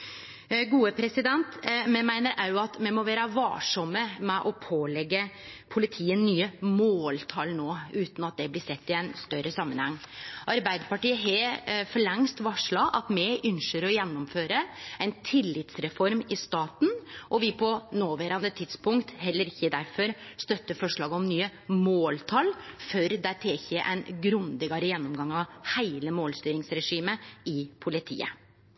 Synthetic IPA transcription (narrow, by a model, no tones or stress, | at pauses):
ɡuːəpʰɾɛsɪd̪ɛnt̪mɛmæɪnəɾʔɑʉɑt̪mɛmɔʋæːɾəʋɑ̰ːʂɔmːəmɛʔɔpʰoːlɛɡːəpʰʊlɪt̪ʰiːənːyːəmoːlt̪ʰɑːlnoːʉːt̪nɑt̪̚d̪ɛblɪsɛt̪ːɪɛɪnst̪œɾəsɑmːənhɛŋːʔɑɾbæɪd̪əɾpɑʈiːəɦɛfɔɭɛŋst̪ʋɑʂɭɑʔɑt̪mɛʔʏnʂəɾɔjɛnːʊmføːɾəæɛɪnt̪ʰɪlːɪt̪sɾɛfɔɾmɪst̪ɑːt̪n̩ʔɔʋɪpʰɔnoːʋæːɾɑnd̪ət̪ʰɪd̪spʊŋkt̪ɦɛlːəɾɪçːəd̪æɾfɔɾst̪œt̪ːəfɔʂɭɑːɡəɔmnyːəmoːlt̪ʰɑlfœɾd̪æt̪ʰeːçeːʔɛ̰ɪnɡɾʉnd̪ɪɡɑɾəjɛnːɔmɡɑŋɑʋhæɪləmoːlst̪yːɾɪŋsɾɛʂiːməɪpʰʊlɪt̪ʰḭːə̰